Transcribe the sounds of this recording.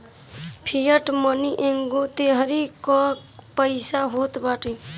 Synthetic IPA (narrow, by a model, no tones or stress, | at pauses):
pʰijəʈməniʔeŋɡot̪eɦəɾikɔ̃ | pəɪsaɦot̪baʈi